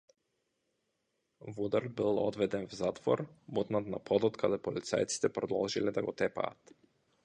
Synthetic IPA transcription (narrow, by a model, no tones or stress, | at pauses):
vud̪aɾd̪̚bilˠɔd̪vɛd̪ɛnvzat̪vɔ̰ɾmut̪nat̪napʰɔd̪ɔt̪kʰad̪ɛpɔlit̪sa̰jt̪si̥t̪ɛpɾɔd̪ɔlˠʒilɛd̪aɡɔt̪ɛpa̰ːt̪